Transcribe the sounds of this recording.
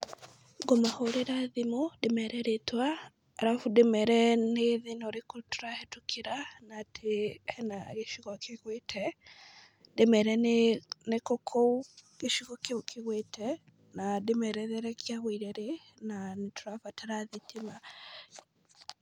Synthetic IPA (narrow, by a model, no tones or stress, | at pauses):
ɡomahoɾeɾaðimodemɛɾɛɾetwaː | ɾafudemɛɾɛneðinoɾekoto̥ɾahetukʰeɾanatʰeɛnaɣeʃiɣɔkʰeɣwetʰɛ | demɛɾɛnnekokʰouɣeʃiɣɔkekʰeɣwetʰɛ | nademɛɾɛðɛɾɛkjaɣwiɾɛɾenanetʰoɾafatʰaɾaðitʰima